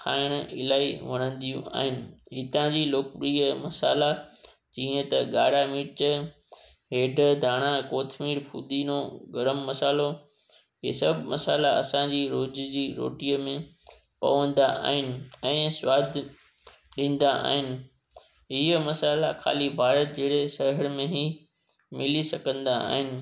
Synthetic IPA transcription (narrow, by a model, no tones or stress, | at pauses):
kʰaːɪɽ̃ɪ̰laːiʋɐɽ̃ə̃nd̪ijṵ̃a̰ːɦɪnɪ̆ɦɪt̪ãd͡ʑiːloːkpɾiːəmɐsa̰ːla | d͡ʑĩːə̃t̪ɐɡaːɽamiːʈt͡ɕə | ɦeːɖʱəd̪ʱaːɽ̃ãkoːt̪ʰmiːɾpʰṵːd̪iːnoɡɐɾəmːɐsaːlo | ɦḭsɐbʱmɐsaːlaɐ̰sãd͡ʑiːɾoːd͡ʑd͡ʑiːɾo̰ːʈijəmẽ | pɐ̰ʋə̃n̆d̪aa̰ːɦɪnɪ̆ɛ̃ːswaːd̪ʱ | ɗĩːn̆d̪aʔa̰ːɦɪnɪ̆ | ɦɪɦəmɐsaːlakʰa̰ːlibʱaːɾət̪̚d͡ʑeːɽesɐɦəɾmẽɦi | mɪlisɐkə̃nd̪a̰ːɦɪnɪ̆